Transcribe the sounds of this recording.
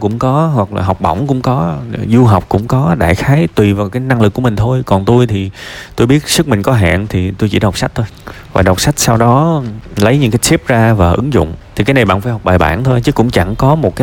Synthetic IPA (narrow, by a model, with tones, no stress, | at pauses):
kʊ̰˧˥ŋ͡mkɔ˨˦ɦwa˨˩k̚la̰ː˨˩ɦa˨˩wk͡p̚ɓɔ̰˧˩wŋ͡mkʊ̰˧˥ŋ͡mkɔ˨˦zu˧ɦa˨˩wk͡p̚kʊ̰˧˥ŋ͡mkɔ˨˦ɗa̰ː˧˩jxaː˨˦jt̪wi˨˩vaː˨˩wkaː˨˦jna˧ŋlɨ˨˩kːu˧˩əmï˨˩ŋ̟t̪ʰo˧jkɔ˨˩nt̪u˧jt̪ʰi˨˩t̪o˧jɓi˦˥ət̚sɨ˦˥k̚mï˨˩ŋ̟kɔ˨˦ɦa̰ː˧˨nt̪ʰi˨˩t̪u˧jt͡ɕḭ˧˩ɗə˨˩k͡p̚sa˦˥k̚t̪o˧j | vaː˨˩ɗə˨˩wk͡p̚sa˦˥jk̟̚sa˧wɗɔ˨˦lə˨˦jɲɨ̰˧˥ŋkaː˨˦jsi˦˥p̚zaː˧vaː˨˩ʔɨ˨˦ŋzʊ̰˧˨ŋ͡mt̪ʰi˨˩kaː˨˦jna˨˩jɓa̰ː˧˨nfaː˧˩jɦa˨˩k͡p̚ɓaː˨˩jɓa̰ː˧˩nt̪ʰo˧jt͡ɕɨ˨˦kʊ̰˧˥ŋ͡mt͡ɕa˧˩ŋkɔ˨˦mo˨t̚kaː˨˦